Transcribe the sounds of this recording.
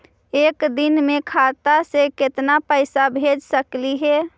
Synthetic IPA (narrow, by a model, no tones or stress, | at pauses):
eːkd̪ɪnmẽkʰat̪asekɪt̪napəɪsabʱed͡ʒsəkliɦɛ